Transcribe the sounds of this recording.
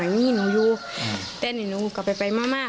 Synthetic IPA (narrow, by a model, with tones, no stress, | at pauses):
a˨˦˧iː˧˥˨nu˧˦juː˧ | t̪ɛː˧˨ni˧˨nuː˧˦˧ka˧˩pa˨jpa˧jmaː˧˥˩maː˥˩